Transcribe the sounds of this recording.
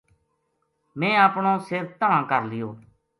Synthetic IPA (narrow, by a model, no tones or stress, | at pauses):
mɛ̃ːaːpɳõːsɪɾt̪əãːkəɾlɪjoː